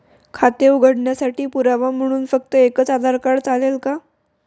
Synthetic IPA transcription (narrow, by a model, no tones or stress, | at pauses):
kʰat̪jeuɡʱəɽɳjasaʈiːpuɾaʋam̤əɽ̃uːnfək̚t̪əekət͡sad̪ʱaɾkaɽt͡salelka